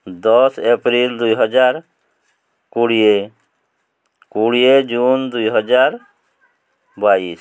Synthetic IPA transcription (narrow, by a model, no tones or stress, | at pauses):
d̪ɔsepɾild̪ujɦɔd͡ʒaːɾ | kuɽije | kuɽied͡ʒund̪uiɦɔd͡ʒaːɾ | bais